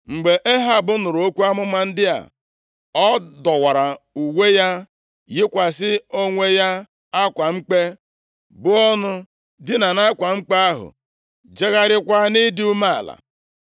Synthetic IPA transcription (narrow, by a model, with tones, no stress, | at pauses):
ŋ͡m̩˨ɡ͡be˨ʔe˦ɦa˦˨bʊ˦nʊ˨ɾʊ˨o˦kʷu˦a˦mʊ˦ma˦n̩˦dɪ˦a̰˨ | ɔ˦dɔ˨wa˨ɾa˨ | u˨we˦ja˦ | jɪ˦kʷa˨sɪ˦o˦ŋʷe˦ja˦ | a˦kʷa˨ŋ͡m̩˦k͡pe˦ | bʊ˦ɔ˦nʊ˦ | dɪ˦na˨na˦kʷa˨ŋ͡m̩˦k͡pe˦a˦ɦʊ̰˨ | d͡ʒe˦ɣa˦ɾɪ˦kʷa˦nɪ˦dɪ˦u˦ma˦a̰˨la̰˨